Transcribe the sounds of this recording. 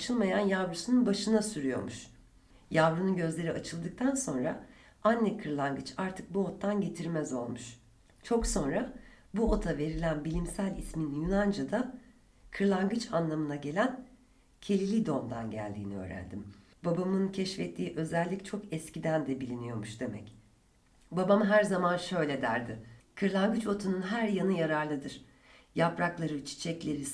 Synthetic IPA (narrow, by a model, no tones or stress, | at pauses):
at͡ʃʰɯlˠmajanjavɾusununbaʃɯnasyɾyjo̞̰ɾmuʃ | javɾununɟø̞zlʲe̞ɾiʔat͡ʃʰɯlˠd̪ɯk̚t̪ʰanso̞nɾa̰ | anʲːɛkʰɯɾlˠaŋɡɯt͡ʃaɾt̪ʰɯk̚buo̞t̪ːanɟe̞t̪ʰiɾmɛzo̞lˠmuʃ | t͡ʃʰo̞kso̞nɾa | buo̞t̪ʰave̞ɾilʲænbilʲimsælʲisminjynand͡ʒad̪a | kʰɯɾlˠaŋɡɯt͡ʃanlˠamɯnaɟe̞lʲæn | cʰe̞lʲilʲid̪o̞nd̪anɟæ̰lʲd̪ḭːniø̰ːɾæ̰nd̪ḭm | babamɯncʰɛʃfɛt̪ʰːiːʔø̞zælʲːict͡ʃʰo̞kɛscid̪ænd̪ɛbilʲinijo̞ɾmuʃd̪̥e̞mɛ̰c | babamɦæɾzamanʃø̞jlʲed̪æɾd̪ɪkʰɯɾlˠaŋɡɯt͡ʃo̞t̪ʰununɦæɾjanɯjaɾaɾlˠɯd̪ɯɾ̥ | japɾaklˠaɾɯt͡ʃʰi̥t͡ʃʰɛclʲe̞ɾi